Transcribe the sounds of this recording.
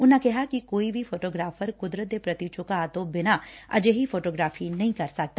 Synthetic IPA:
ʊnɦakɛɦakikoːibʱifoːʈoːɡɾaːfəɾkʊd̪ɾət̪̚epɾɐt̪it͡ʃõkaaːt̪oːbɪnaɐ̰d͡ʒeɦifoːʈoːɡɾaːfinɐɦĩkɐɾsɐk̚t̪a

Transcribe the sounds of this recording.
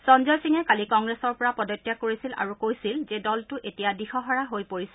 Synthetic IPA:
sɔnzɔjsiŋɛkalikɔŋɡɹesɔɹpɔɹapɔdɔtːjakoɹisila̰ɹukojsilzɛdɔltʊʔetijadixɔɦɔɹaɦojpoɹisɛ

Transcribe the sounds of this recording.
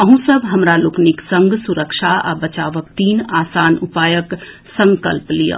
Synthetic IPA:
əɦũsəbʱɦɐmɾalokniksə̃ŋɡsuɾəkʃʰaa̰bət͡ʃaːʋək̚t̪iːnaːsaːnupaːjək | sə̃ŋkəlplijə̰

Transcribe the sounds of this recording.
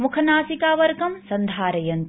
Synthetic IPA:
mukʰɐnaːsikaːʋɐɾkɐmsɐnd̪ʱaːɾɐjɐnt̪

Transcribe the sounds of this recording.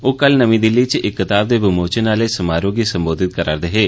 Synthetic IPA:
oːkəlnəmĩːd̪ɪlːiːt͡ʃʔɪkːət̪aːb̚d̪eːbəmoːt͡ʃənaːleːsəmaːɾõːɡiːsəmboːd̪ɪt̪̚kəɾa̰ːɾd̪eɦeː

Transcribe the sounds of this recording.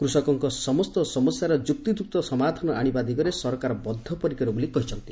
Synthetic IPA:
kɾusɔkɔŋkɔsɔmɔst̪ɔsɔmɔsjaɾɔd͡ʒuk̚t̪id̪uk̚t̪ɔsɔmad̪ʱɔnɔaɽ̃ibad̪ikɔɾesɔɾɔkaɾɔbɔd̪ʱːɔpɔɾikɔɾɔbolikɔɦit͡ʃʰɔnt̪i

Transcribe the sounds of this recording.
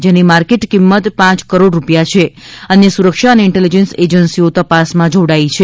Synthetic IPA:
d͡ʒenimaɾkeʈkimːət̪pãt͡ʃkəɾoɽɾupjat͡ʃʰeənjəsuɾəkʃaəneɪɳʈelid͡ʒensed͡ʒənsiot̪əpasmãd͡ʒoɽait͡ʃʰe

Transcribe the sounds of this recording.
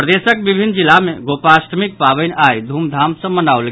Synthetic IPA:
ɾəd̪esəkbibʱinːd͡ʒilamẽɡopaːsʈmik̚pabənʔajd̪ʱuːmd̪ʱamsə̃mənaolɡ

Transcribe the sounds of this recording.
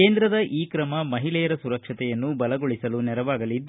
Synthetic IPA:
e̞ːnd̪ɾɐd̪ɐʔiːkɾɐmɐmɐɦilɛjɐɾɐsuɾɐkʂɐt̪ɛjɐnːubɐlɐɡoɭisɐlunɛɾɐʋaːɡɐlid̪ː

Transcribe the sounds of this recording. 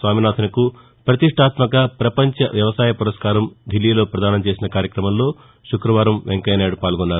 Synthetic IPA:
sʋaːminaːt̪ʰinɐku | pɾɐt̪iʂʈʰaːt̪mɐkɐpɾɐpɐɲt͡ʃɐʋjɐʋɐsaːjɐpuɾɐskaːɾɐmd̪ʱilːiːlo̞ːpɾɐd̪aːnɐmt͡ʃe̞ːsinɐkaːɾjɐkɾɐmɐmlo̞ː | ʃukɾɐʋaːɾɐmʋeŋkɐjneːɽupaːlɡɔnːaːɾu

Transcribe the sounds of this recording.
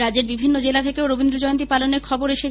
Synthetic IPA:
ad͡ʑeɾbibʱinːod͡ʑelat̪ʰekeoɾobind̪ɾod͡ʑɔjont̪ipaloneɾkʰɔboɾeʃe

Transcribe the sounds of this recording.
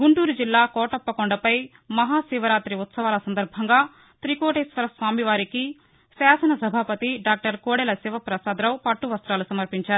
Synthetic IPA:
ɡuɳʈuːɾud͡ʒilːaːkɔːʈɐpːɐkɔɳɖɐpɐj | mɐɦaːsiːʋɐɾaːt̪ɾiut̪sɐʋaːlɐsɐnd̪ɐɾbʱɐŋɡaː | t̪ɾikoːʈeːsʋɐɾɐsʋaːmiʋaːɾiki | saːsɐnɐsɐbʱaːpɐt̪iɖaːk̚ʈɐɾkoːɽɛlɐsiʋɐpɾɐsaːd̪ɾɐwpɐʈːuʋɐst̪ɾaːlusɐmɐɾpiɲt͡ʃaːɾuu

